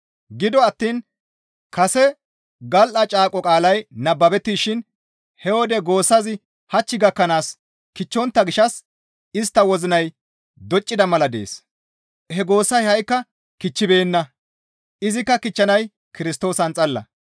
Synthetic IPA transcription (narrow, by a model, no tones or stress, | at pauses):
ɡɪd̪ɔɐt̪ːiːn | kɐsɛ | ɡɐlʔɐt͡ʃʼaːkʼɔkʼaːlɐjnɐbːɐbɛt̪ːiːʃɪn | hɛwɔd̪ɛɡo̞ːsːɐzɪ | hɐt͡ʃːɪɡɐkːɐnaːs | kɪt͡ʃːɔnt̪ːɐɡɪʃɐs | ɪst̪ːɐwɔzɪnɐj | d̪ɔt͡ʃʼːɪd̪ɐmɐlɐd̪e̞̰ːs | hɛɡo̞ːsːɐjhɐjkːɐ | kɪt͡ʃːɪbe̞ːnːɐ | ɪzɪkːɐkɪt͡ʃːɐnɐj | kɪɾɪst̪o̞ːsɐnt͡sʼɐlːɐ̰